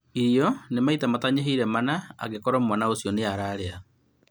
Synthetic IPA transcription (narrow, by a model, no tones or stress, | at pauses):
iɾiɔnemaitamataɲeɦiɾɛmanaa̰ɣekɔɾɔmwanaosjɔneaɾaɾea